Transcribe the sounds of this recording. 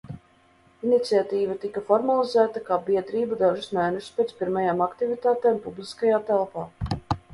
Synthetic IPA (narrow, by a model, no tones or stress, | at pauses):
init̪siat̪iːvat̪ikafɔɾmalizæːt̪akaːbiɛd̪ɾiːbud̪aʒusnæːnuspʲeːt̪spiɾmajaːmakt̪ivit̪aːt̪eːmpublˠiskajaːt̪ɛlˠpaː